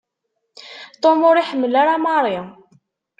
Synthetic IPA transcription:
t̪ˤomoɾiħəmːəlaɾamɑɾˤɪ

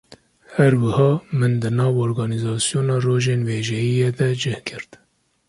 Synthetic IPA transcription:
hæɾwɨhɑːmɨnd̪ɨnɑːvoːɾɡɑːnizɑːsijoːnɑːroːʒeːnveːʒɛjijeːd̪ɛd͡ʒɛhkʰɨɾd̪

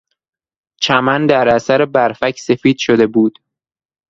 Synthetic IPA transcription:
t͡ʃʰæmænd̪æɾæsæɾebæɾfæcʰse̞fiːd̪̥ʃo̞d̪e̞buːd̪̥

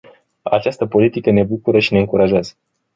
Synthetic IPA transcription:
a̰t͡ʃast̪əpo̞lit̪ikəne̞bukuɾəʃine̞ɨŋkuɾaʒeazə

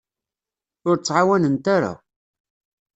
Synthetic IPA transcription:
ʊɾt͡sːʕawænənt̪aɾa̰

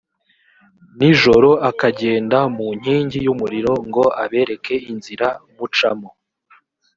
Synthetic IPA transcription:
niʒo̞ɾo̞akaɟe̞ːndamuɲ̥hiːɲɟijumuɾiɾo̞ŋɡo̞ʔaβe̞ːɾe̞kʰe̞inziɾamut͡ʃamo

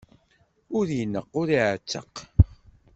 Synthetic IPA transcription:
ʊɾjənəqːʊɾiʕət͡sːə̰q

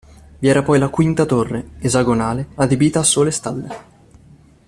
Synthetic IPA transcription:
viɛːɾapɔjlakwint̪at̪orːeezaɡonaːlead̪ebiːt̪aːsːoːlest̪alːḛ

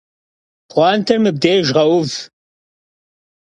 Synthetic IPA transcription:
qʷɑːntʰɐrmɨb̚deːʒʁɐwʊv

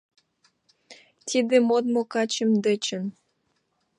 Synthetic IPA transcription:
t̪ʲid̪emod̪mokɑt͡ɕəmd̪ə̆t͡ɕə̆n

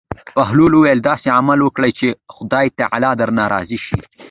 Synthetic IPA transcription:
paɦluluwajld̪ɑseamalwəkɽajt͡ʃexʊd̪ɑjt̪aʕa̰lɑd̪aɾnɑɾɑ̰ziʃi

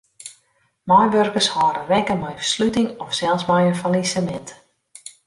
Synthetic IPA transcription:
mɔjʋørkərshɔːɾəʋɛkəmɛjfə̥slytɪŋɔfsɛlˠsmɛjənfalisəmɛnt

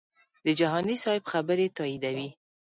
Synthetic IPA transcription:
d̪̥əd͡ʒaɦɑnisɑɪbxabəɾet̪ɑid̪awi

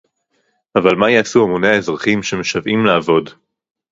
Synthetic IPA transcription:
avalmajaːsuamoneaezʁaχimʃemeʃavʔimlaːvo̞d

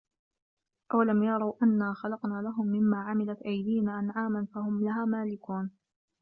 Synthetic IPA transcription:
ʔawlamjɑɾˤɑwʔanːaːxɑlɑqnaːlaɦʊmːɪmːaːʕamɪlat̪ʔajd̪iːnaːʔanʕaːmanfaɦʊmlaɦaːmaːlɪkuːn

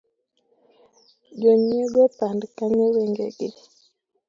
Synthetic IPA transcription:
ɟoɲeɡopandkaɲewɛŋɡḛɡe

